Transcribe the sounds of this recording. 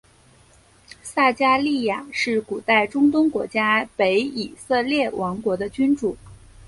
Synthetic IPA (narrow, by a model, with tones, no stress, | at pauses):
sa˥˩t͡ɕja˥li˥˩ja˨˩ʂɻ̩˥˩ku˨˩t̪a˥˩ɪʈ͡ʂʊ˥ŋt̪ʊ˥ŋkwɔ̰˧˥t͡ɕja˥pe˧˥ɪi˨˩sɤ˥˧ljɛ˥˩wʔɑ˧˥ŋkwɔ˧˥d̪ə˧t͡ɕy˥nʈ͡ʂu˨˩˦